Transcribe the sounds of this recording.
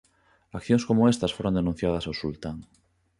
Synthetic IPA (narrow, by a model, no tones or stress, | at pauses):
akθjõŋskomoest̪asfoɾõnd̪enũn̟θjað̞ɐsawsult̪aŋ